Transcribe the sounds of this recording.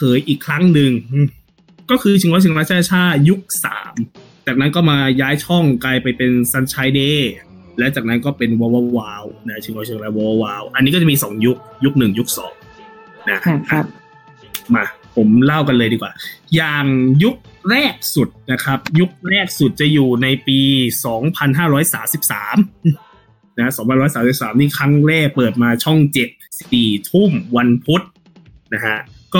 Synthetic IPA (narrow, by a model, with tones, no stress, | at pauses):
kʰɤː˨˦jʔiː˨˩kʰɾa˦˥ŋnɯ˧ŋʔɯː˧˩ | kɔː˥˩kʰɯː˧t͡ɕʰi˧wɔː˧˦˥t͡ɕʰːŋ˧ɾa˦˥t͡ɕʰa˥a˥˩t͡ɕʰaː˥˩t̪̚ju˦˥k̚sa̰ː˩˦m | t͡ɕaː˨˩k̚na˦˥nkɔː˥˩maː˧jaː˦˥jt͡ɕʰɔ˥˩ŋkaː˧jpa˧jpe˧nsa˧˥˩nt͡ɕʰaː˧˥jdeː˧ | lɛ˦˥wt͡ɕaː˨˩k̚na˦˥nkɔː˥˩pe˧nwaː˧wa˧waː˦˧˥wna˦˥t͡ɕʰi˧ŋwjt͡ɕʰɯ˧ŋɾa˦˥waː˧wa˧˩waː˦˥wʔa˧nːi˦˥kɔ˥˩a˨˩miː˧sɔː˩˦ŋju˦˥k̚ju˦˥k̚nɯ˨˩ŋju˦˥k̚sɔ̰ː˩˦ŋ | na˦˥kʰkʰa˥ | ma˧˩pʰo˩˦mla˥˩wka˧nlɤː˧jdiː˧kwaː˨˩jaː˨˩ŋju˦˥k̚ɾɛː˥˩k̚su˨˩t̪̚na˦˥kʰa˦˥p̚ju˦˥k̚ɾɛː˥˩k̚su˨˩t̪̚t͡ɕa˨˩juː˨˩na˧jpiː˧sɔː˩˦ŋpʰa˧nɦaː˥˩ɾɔː˦˥jsaː˩˦msi˨˩p̚saː˩˦m | na˦ha˥sɔː˩˦ŋpʰa˧nɾɔː˦˥jsaː˩˦msi˨˩p̚saː˩˦mniː˥˩kʰɾa˦˥ŋɾɛː˥˩k̚pɤː˨˩t̪̚maː˧t͡ɕʰɔ˥˩ŋt͡ɕe˨˩p̚si̥˨˩psiː˨˩t̪ʰu˥˩mwa˧npʰu˦˥t̪̚ | na˦˥kʰa˦˥ʔkɔː˥˩